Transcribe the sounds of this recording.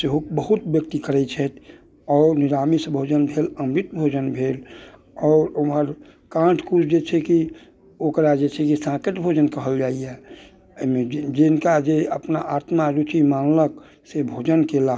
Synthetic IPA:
seɦokbəɦut̪bjək̚t̪ikəɾɛt͡ʃʰɛt̪ | ɔːɾnɪɾaːmisebʱoːd͡ʒənbʱeləmɾit̪̚bʱoːd͡ʒənbʱeːl | ɔːɾuəɾ | kãːʈʰkut͡ʃʰd͡ʒet͡ʃʰeki | okɾad͡ʒet͡ʃʰekisãkeʈbʱod͡ʒənkəɦəld͡ʒaːiɛ | med͡ʒɪnkad͡ʒeəpnaʔaːt̪maɾut͡ʃimaːnlək | sebʱod͡ʒənkela

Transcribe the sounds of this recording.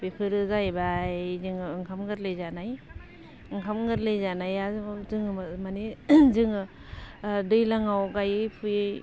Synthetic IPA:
bekʰɯɾɯzajbajzɯŋɯɯŋkʰamɡɯɾlejzanaj | ɯŋkʰamŋɡɯtlezanajazɯzɯŋɯmamanezɯŋɯ | dɯjlaŋawɡajɯpʰuj

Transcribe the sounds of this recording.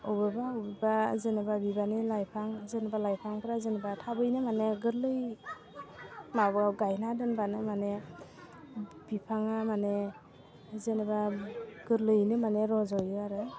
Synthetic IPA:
ɯbɯbaowbɯbazenɯbabibanilajpʰaŋzenɯbalajpʰaŋpʰɯɾazenɯbatʰabɯjnɯmaneɡɯɾlɯj | mabɯaɡajnadɯnbanɯmane | b̥ipʰaŋamane | zenbaɡɯɾlɯjnɯmaneɾɔzɔjɯaɾɯ

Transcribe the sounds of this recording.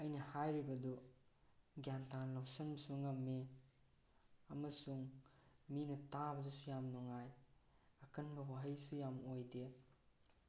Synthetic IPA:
ɐjnɐhajɾibɐdu | ɡjantanlawsɐnbɐsuŋɐmːe | ɐmɐsuŋminɐtabɐdusujamnɔŋaj | ɐkɐnbɐwaɦɐjsujamojde

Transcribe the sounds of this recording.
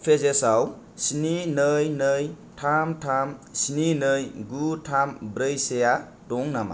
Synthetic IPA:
pʰezesaw | sininɯjnɯj | tʰamtʰamsininɯjɡutʰambɾɯjseja | dɔŋnama̰

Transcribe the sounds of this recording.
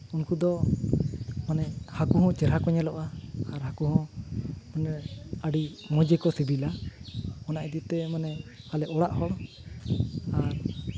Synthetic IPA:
unkud̪ɔ | manɛhakuɦɔ̃t͡ʃɛɾɦakɔɲɛlɔʔaaɾhakuɦɔ̃manɛaɖimɔ̃d͡ʒɛkɔsibila | ɔnaʔɛd̪it̪ɛmanɛhalɛʔɔɽaʔhɔɽ | aɾ

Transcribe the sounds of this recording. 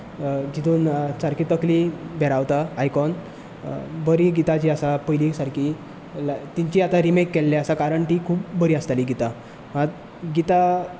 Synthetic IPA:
d͡ʑit̪ʰuːnt͡saɾkit̪əklibʱɛɾaʋt̪aajkɔn | bəɾiːɡit̪at͡ɕiːasapəjlisaɾki | lt̪iɲt͡ɕiat̪aɾimekːɛlːeasakaɾəɳʈiːkʰuːpbəɾiːast̪aliɡit̪a | at̪ | ɡit̪a

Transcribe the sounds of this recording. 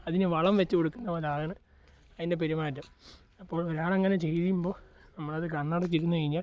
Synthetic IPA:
ɐðinɨʋɐɭɐmʋet͡ɕːɨkoɽukːunːɐʋɐd̪ʱaːɣɐɳɨ | ɐðindep̬eɾumaːjtːɨm | ɐpːo̞ːɭoɾaːɭeŋːɐnet͡ɕe̞jðijumbo̞ːnɐmːɐɭɐðɨkɐɳːɐɽɐt͡ɕːiɾunːukɐɻiɲːaː

